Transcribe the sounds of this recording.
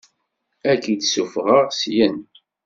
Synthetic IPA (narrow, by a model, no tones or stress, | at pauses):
ækid̪sufʁəʁsjən